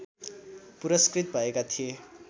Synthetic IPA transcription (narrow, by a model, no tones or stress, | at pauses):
puɾʌskrit̪̚bʱʌekat̪ʰije